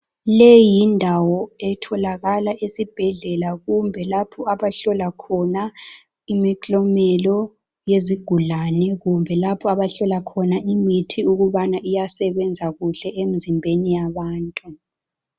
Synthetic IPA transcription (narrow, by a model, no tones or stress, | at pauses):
lejindʱawɔɛtʰɔlaɣalaʔesib̥ʱɛɮɛlaɣumbʱɛlapʰɔaβaɬɔlakʰɔna | imikʼlɔmɛlɔ | jeziɡ̥ʱulanɛɣumbʱɛlapʰɔaβaɬɔlakʰɔnaʔimitʰiuɣuβanaʔijasɛβɛnd͡zʱaɣuɬɛem̩zimbʱenijaβaːntʼu